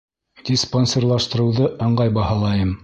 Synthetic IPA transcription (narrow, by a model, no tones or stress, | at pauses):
d̪̥ʲisponʲsʲerlˠɑʃt̪ɤ̆ɾɤ̆wðɤɤ̆ɴɢɑjbɑhɑlˠɑjɤm